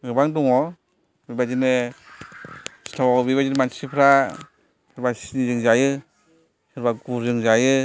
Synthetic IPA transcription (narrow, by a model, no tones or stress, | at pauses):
ɡɯbaŋduŋɔ | bibazinɯ | si̥tʰawɔbibazinmansipʰɾa | hɯɾbasinizɯŋzajɯ | hɯɾbaɡuɾzɯŋzajɯ